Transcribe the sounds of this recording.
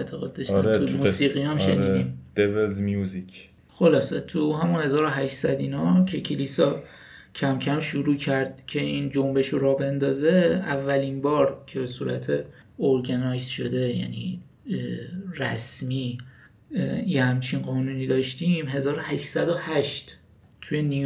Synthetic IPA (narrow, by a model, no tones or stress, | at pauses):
et̪ʰeɣɒːd̪̚d̪ɒʃæɾt̪umusiːɣijɒmʃḛnɾiːd̪iːmd̪̥evelzmjuzik | xo̞lɒːsḛt̪ʰuɦæmunhe̞zɒːɾoɦæʃsæd̪inɒcʰe̞cʰeliːsɒ | cʰæmcʰæmʃuɾuːcʰæɾd̪̥cʲʰe̞ind͡ʒombe̞ʃoɾɒːbe̞nd̪ɒːze̞ævːælinbɒːɾcʰe̞be̞suːɾæ̰t̪ʰe̞ | oɾɡenɒjzʃo̞d̪e̞jæ̰nḭ | ræsmiː | jehæmt͡ʃʰinɢɒːnuːniːd̪ɒːʃt̪iːmhe̞zɒːɾohæʃsæd̪ohæʃt̪ | t̪ʰujeni